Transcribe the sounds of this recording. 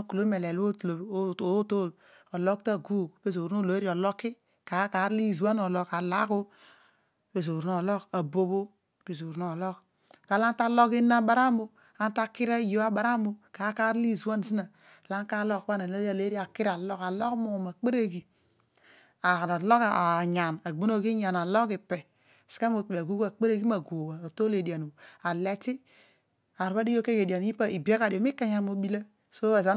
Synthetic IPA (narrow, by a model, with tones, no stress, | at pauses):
o˦ku˨lo˦me˨le˨lo˦˨lo˨˦o˨˦to˦˨l | o˨lo˦kta˦ɡu˦˨be˦zo˨ɾno˦˨lo˨˦e˦ɾi˦o˨lo˦kːi˦ | ka˨˦ka˨˦ɾli˦˨zu˨wa˦n˦o˨lo˨ka˨la˦ko˦ | be˨zo˨ɾno˨lo˦ka˨bo˦bo˦˨ | be˨zo˨ɾno˨lo˦k | ka˨la˦n˦ta˦lo˦ki˦na˦ba˨ɾa˦mbo˦ | a˦n˦ta˦ki˦ɾa˦˨jo˦a˦ba˨ɾa˦mbo˦ka˨˦ka˦ɾli˦˨zu˨wa˦n˨zi˦na˨ | la˦ŋ˦ka˦lo˦kba˦na˨le˦i˦a˨le˦ɾi˦a˨ki˦ɾa˨lo˦ka˨lo˦kmo˨ma˨k͡pe˦ɾe˦ɡi˨ | a˨na˨lo˦ka˨a˨ɲa˨na˨ɡ͡bo˦no˦˨ɡi˦ɲa˨na˨lo˦ki˨pɛ˨ | si̥˨ka˦mo˨a˨ɡu˦ɡa˨k͡pe˦ɾe˦ɡi˦ma˨ɡo˨wa˨to˦le˨di˨a˨n˨bo˨a˨le˨ti˦ | a˨ɾba˦di˦jo˦ke˦ɡe˨di˨a˨n˨ji˦pa˦i˨be˦ka˨di˨o˨mi˦ka˦ɲa˨mo˨bi˦la˦ | so˦a˨a˦